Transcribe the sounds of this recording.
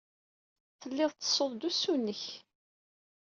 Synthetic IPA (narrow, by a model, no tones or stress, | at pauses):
θəlːɪðˤt̪ːə̥sˤoðˤd̪usunːəç